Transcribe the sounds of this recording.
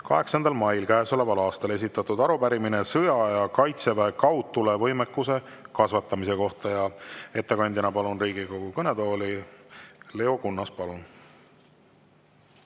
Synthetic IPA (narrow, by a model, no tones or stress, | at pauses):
kɑɦe̞ksɑnd̪̥ɑlmɑjlkæːsolevɑlɑːst̪ɑle̞s̬ʲit̪ːˑɑt̪ːˑud̪ɑɾupæɾimine̞sɤjɑjɑkɑjt̪se̞væekɑwt̪ːˑule̞vɤ̞jmekːˑuse̞kɑsvɑt̪ˑːɑmise̞ko̞ht̪ɑjɑe̞t̪ːe̞kɑnʲd̪ʲinɑpɑlunriːɡ̥iko̞ɡ̥ukɤne̞d̪o̞ːli | le̞o̞kunːɑspɑlun